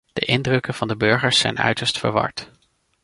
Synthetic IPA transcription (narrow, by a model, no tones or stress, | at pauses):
d̥əʔɪndrɵkənv̥ɑndəbɵɹχəɹsɛ̰jnœ̰ɥtəɹstfə̰ɹʋɑ̰ɹt